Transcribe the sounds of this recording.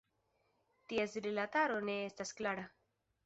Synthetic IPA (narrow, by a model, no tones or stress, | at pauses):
tie̞sɾilataɾo̞ne̞estasklaɾa